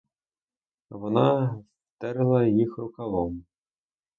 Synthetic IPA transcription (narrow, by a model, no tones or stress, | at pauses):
ʋɔnas | t̪ɛɾɪlˠɐjixɾʊkalˠɔm